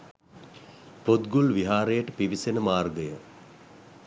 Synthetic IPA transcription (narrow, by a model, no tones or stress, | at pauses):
pot̪ɡulʋiɦaːɾejəʈəpiʋisenəmaːrɡəjə